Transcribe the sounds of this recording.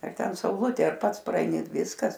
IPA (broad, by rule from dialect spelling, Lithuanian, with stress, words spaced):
ɐr ˈtʲɛn sɐʊˈlˠʊtʲeː ɐr ˈpɐts prɐɛɪˈnʲɪ ˈʋʲɪskɐs